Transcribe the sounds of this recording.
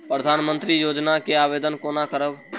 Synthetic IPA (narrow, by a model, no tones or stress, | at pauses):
pɾəd̪ʱaːnmə̃nt̪ɾijoːd͡ʒnakeaːbeːd̪ənkoːnakəɾəb